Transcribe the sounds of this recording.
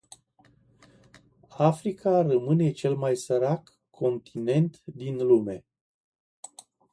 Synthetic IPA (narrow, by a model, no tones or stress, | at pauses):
afɾikʰarəmɨne̞t͡ʃe̞lmajsəɾakʰː | o̞nt̪ʰine̞nt̪d̪inlume̞